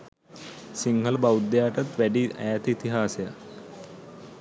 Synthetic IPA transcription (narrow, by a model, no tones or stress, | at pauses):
siŋɡʱəlbawd̪jaːʈɐt̪ʋæɖiʔæ̰jat̪it̪iɦaːseja